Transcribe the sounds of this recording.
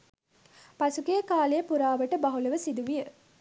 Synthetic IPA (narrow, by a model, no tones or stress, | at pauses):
pɐsukejəkaːlejəpuɾaːʋɐʈəbɐɦulɐʋəsid̪uʋijə